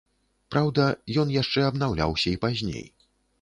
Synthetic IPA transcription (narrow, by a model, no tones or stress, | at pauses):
pɾawd̪ɐjɔnjaʂt͡ʂɛɐbnawlʲa̰wsʲɐipazʲnʲḛj